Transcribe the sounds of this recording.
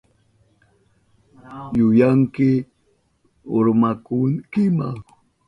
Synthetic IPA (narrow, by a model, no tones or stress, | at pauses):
jʊjaŋkɪ | oɾmakʊŋkɪma̰ŋ